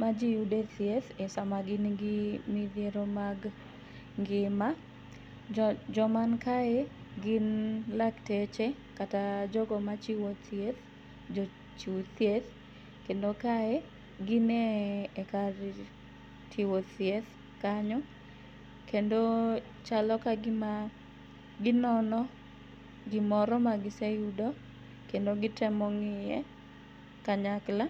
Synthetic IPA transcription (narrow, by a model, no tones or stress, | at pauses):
mad͡ʒijudeθjeθesamaɡɪnɡɪmiðjeɾomaɡ | ŋɡɪma | d͡ʒɔmankae | ɡɪnlaktɛt͡ʃɛ | katad͡ʒɔɡɔmat͡ʃiwɔt̪jeθ | d͡ʒo | t͡ʃit̪jeθ | kendokaɛ | ɡɪneːkar | tʰiwot̪jet̪ | kaɲɔ | kendo | t͡ʃalɔkaɡɪma | ɡɪnɔnɔ | ɡɪmɔɾɔmaɡɪsejudɔ | kendoɡɪtɛmɔŋɪjɛ | kaɲakla